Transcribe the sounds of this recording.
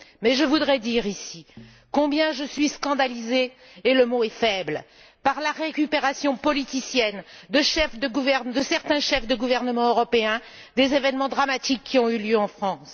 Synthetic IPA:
mɛʒəvud̪ʁɛd̪iʁisi | kɔ̃bjɛ̃ʒəsɥiskɑ̃d̪alizeː | ləmoɛfɛbl | paʁlaʁekʲypeʁasjɔ̃pɔlit̪isjɛnd̪əʃɛfd̪əɡuvɛʁnd̪əsɛʁt̪ɛ̃ʃɛfd̪əɡuvɛʁnəmɑ̃øʁɔpeɛ̃ | d̪ezevɛnmɑ̃d̪ʁamat̪ikʰːiɔ̃yljøɑ̃fχɑ̃s

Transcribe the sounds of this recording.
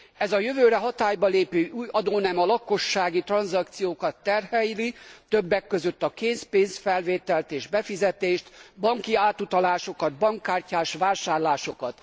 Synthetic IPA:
ɛzɒjøvøːɾɛɦɒt̪aːjbɒleːpøːʔuːjɒd̪oːnɛmɒlɒko̞ʃːaːɡit̪rɒnzɒkt̪sijoːkɒt̪ːɛrhɛjlit̪øbːɛkːø̞zøt̪ːɒkeːnspeːnsfɛlveːt̪ɛlt̪eːʒbɛfizɛt̪eːʃt̪bɒŋkiaːt̪ut̪ɒlaːʃo̞kɒd̪̚bɒŋkːaːrcaːʃʋaːʃaːrlaːʃo̞kɒt̪

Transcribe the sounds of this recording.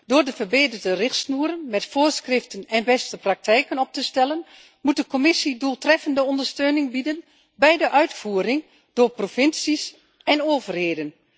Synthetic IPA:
d̥oːɹdəvərbeːdərdərɪxtsnuəɾənmɛtfoːɹskrɪftənɛnbɛstəprak̚tɛjkənɔp̚təstɛlən | mut̚dəkɔmɪsiduːlˠtrɛfəndəɔndəɹstøːnɪŋbidən | bɛjdəʔœɥtfuːrɪŋ | doːɹprofɪnsis | ɛnoːvərheːdən

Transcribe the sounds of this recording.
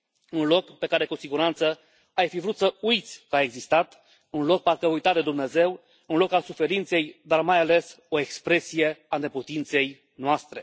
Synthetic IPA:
unlo̞kpe̞kaɾe̞kusiɡuɾant̪sə | ajfivɾut̪səujt̪sʲkəaeɡzist̪at̪ | unlo̞k̚parkəujt̪at̪d̪e̞d̪umne̞ze̞w | ɨnlo̞kalsufe̞ɾint̪se̞jd̪armajale̞s | o̞e̞kspɾe̞sije̞aneput̪int̪se̞j | noast̪ɾe̞

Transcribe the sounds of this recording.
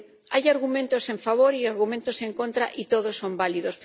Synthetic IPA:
ajaɾɣumẽnt̪ose̞ɱfaβ̞oɾiaɾɣumẽnt̪osẽ̞ŋkont̪ɾaʔit̪oð̞osːõ̞mbaliðos

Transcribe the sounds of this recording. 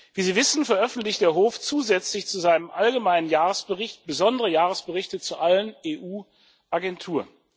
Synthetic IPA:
v̥iːziːvɪsn̩fɛɐʔœfn̩tlɪçt̚d̥eːɐɦoːft͡suːzɛt͡slɪçt͡suzaɪnəmʔalɡəmaɪnənjaːʁəsb̥əʁɪçtb̥əzɔndəʁəjaːʁ̞əsb̥əʁɪçtət͡suʔaləneːʔuː | ʔaɡɛntʰuːɐn

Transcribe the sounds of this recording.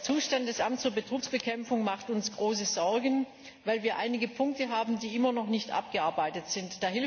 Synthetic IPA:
t͡suːʃtandɛsʔamtt͡sːuːɐbətʁ̥uːksb̥əkʰɛmfʊŋmaχtʊnsɡ̥ʁoːs̬əz̥ɔɐɡn̩ | vaɪlviːɐʔaɪnɪɡəpʰʊŋk̚təɦaːbm̩diːʔɪmɐnɔχnɪçtʔa̰p̚ɡ̥əʔaɐbaɪtətz̥ɪntd̥aːhɪl

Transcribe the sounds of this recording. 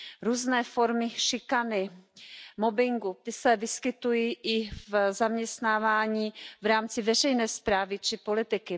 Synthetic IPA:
ɾuːznɛːfo̞ɾmɪʃɪkanɪ | mobɪŋɡut̪ɪsɛvɪskɪt̪ujiːʔɪvzamɲɛst̪naːvaːɲiːvɾaːmt͡sɪvɛrɛjnɛːspɾaːvɪt͡ʃɪpolɪt̪ɪkɪ

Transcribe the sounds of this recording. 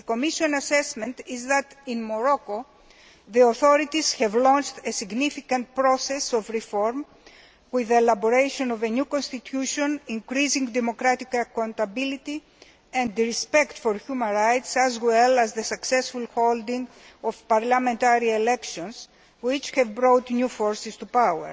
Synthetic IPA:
ðeko̞miʃõnɐsesmẽnt̪izðɐt̪ĩnmoɾoko | ðioθoɾit̪iz̥çevlɔ̃nt͡ʃt̪esiɡnifikɐ̃nt̪̚pɾosesovɾifoɾm | wiðelɐboɾejʃonovenjukõnst̪it̪ʰjuʃõnĩŋkɾizĩŋd̪emokɾat̪ikɐkãnt̪ɐbilit̪i | ẽnd̪ɾispekt̪foɾçumɐ̃nɾajt̪sɐzwelɐzðesɐksesfulxold̪ĩŋɡ | ov̥pɐɾlɐmẽnt̪aɾielekʃõns | wit͡ʃhɛvbɾot̪njufoɾsist̪upawḛɾ

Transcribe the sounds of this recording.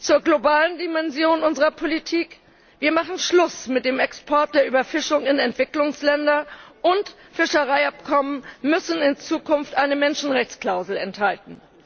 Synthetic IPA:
t͡suːɐɡlobaːləndimɛnzjoːnʊnzəʁɐpʰolitʰiːk | v̥iːɐmaχn̩ʃlʊsmɪt̚d̥eːmɛkspʰɔɐt̚d̥eːɐʔyːbɐfɪʃʊŋɪnɛntv̥ɪklʊŋslɛndɐʔʊnt | fɪʃəʁaɪapkʰɔmənmʏsn̩ɪnt͡suːkʰʊnftʔaɪnəmɛnʃn̩ʁɛçt͡skl̥aʊzl̩ɛnthaltn̩

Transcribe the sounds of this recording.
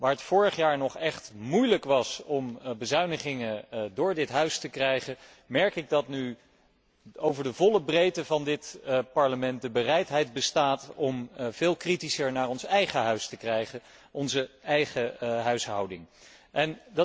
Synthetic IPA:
ʋaːɹɦətfʊːɹəχjaːɹnɔχɛχtmujləkʋɑsɔmbəzœɥnəχɪŋədʊːɹdɪtɦœɥstəkrɛjχə | mɛɹkɪɡ̚dɑtny | owvəɹdəvɔləbrejtəvɑndɪtpɑɹləmɛnt̚dəbərɛjtɦɛjdbəstaːtɔmv̥ɪːlˠkritisəɹnaːɹɔnsɛjχəɦœɥstəkrɛjχə | ʔɔnzəɛjχəɦœɥsɦɑwdɪŋ | ʔɛndɑ

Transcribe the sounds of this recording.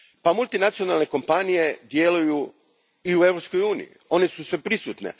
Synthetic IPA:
pamulˠt̪inat̪sio̞nalne̞ko̞mpanije̞d̪je̞luju | iue̞ʋɾopsko̞juːnḭjḭo̞nesusʋepɾisut̪ne̞̰

